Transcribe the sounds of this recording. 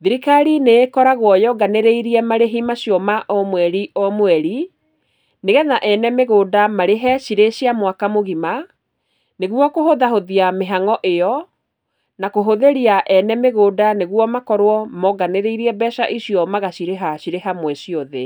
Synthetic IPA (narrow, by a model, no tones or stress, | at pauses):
ðiɾikaɾineːkɔɾaɣwɔjɔɡaneɾeiɾiɛmaɾeɦimaɕjɔmaʔɔmwɛɾiʔɔmwɛɾi | neɣɛnaʔɛnɛmeɣoːdamaɾeɦɛɕiɾeɕjamwakamoɣima | neɣwɔkoɦoðahoðiameɦaŋɔʔejɔ | nakoɦoðeɾiaʔɛnɛmeɣodaneɣwɔmakɔɾwɔmɔɡaneɾeiɾiɛbɛʃaʔiɕiɔmaɣaɕiɾeɦaɕiɾeɦamwɛɕiɔðe